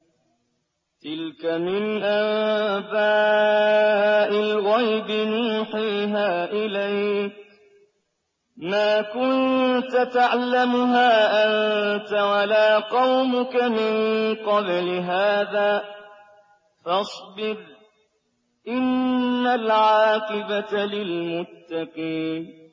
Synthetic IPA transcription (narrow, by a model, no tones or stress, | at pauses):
t̪ɪlkamɪnʔaba | ʔɪlɣajbɪnuːħiːɦaːʔɪlajk̚ | maːkʊnt̪at̪aʕlamʊɦaːʔant̪awalaːqɑwmʊkamɪnqɑblɪɦaːðaː | fɑsˤbɪɾ | ʔɪnːalʕaːqɪbaalɪlmʊt̪ːɑqiːn